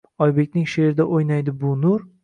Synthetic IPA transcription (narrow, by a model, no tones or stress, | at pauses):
ɒjbe̞k̚ʲnɪŋʃe̞ɾɪd̪aʔojnajd̪ɪbʊnʊɾ